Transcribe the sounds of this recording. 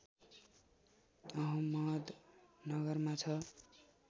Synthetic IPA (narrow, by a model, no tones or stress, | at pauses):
ʌɦʌmʌd̪nʌɡʌrmat͡sʰʌ